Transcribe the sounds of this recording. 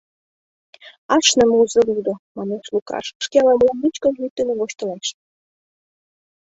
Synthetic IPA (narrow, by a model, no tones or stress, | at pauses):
ɑʃnə̆muzə̆lud̪omɑneʃlukɑ̰ʃʃkeɑlɑmlɑmit͡ɕkə̆nlyt̪ːeneβoɕt̪ə̆leʃ